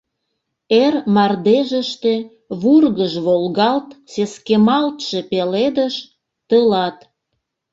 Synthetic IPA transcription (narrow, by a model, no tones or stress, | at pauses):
ermɑrd̪eʒəʃt̪e̽ | βurɣəʒβolɣɑlt̪seskemɑlt̪ʃe̽peled̪əʃ | t̪əlɑt̪